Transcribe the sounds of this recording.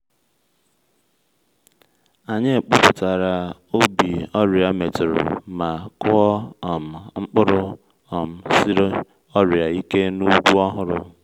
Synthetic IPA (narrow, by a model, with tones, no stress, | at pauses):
a˨ɲe˦˨k͡pʊ˦pʊ˨ta˨ɾa˨o˦bi˨ɔ˦ɾja˨me˨tɪ˨ɾʊ̰˨ma˨kʊ˦ɔ˦ɔ˨m̩˨ŋ͡m̩˦k͡pʊ˦ɾʊ˦ | ɔ˨m̩˨si˦ɾo˦ | ɔ˦ɾa˨i˦ke˦nu˦ɡʷu˦ɔ˦ɦʊ˦ɾʊ̰˨